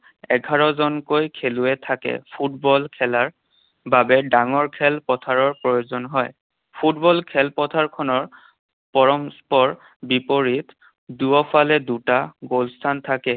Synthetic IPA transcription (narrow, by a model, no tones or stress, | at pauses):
ɛ̰ɡʱaɹɔzɔnkojkʰeluɛtʰakɛ̰pʰut̚bɔlkʰɛlaɹ | babɛdaŋɔɹkʰɛlpɔtʰaɹɔɹpɹojozɔnɦɔj | pʰutbɔlkʰɛlpɔtʰaɹkʰɔnɔɹ | pɔɹɔmspɔɹ | bipoɹit | duɔpʰalɛdutaɡolstʰantʰakɛ